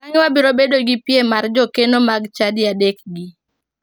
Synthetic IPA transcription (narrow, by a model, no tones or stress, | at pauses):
aɲwabiɾobedoɡipjemard͡ʒɔkenomaɡt͡ʃadɪjadekɡi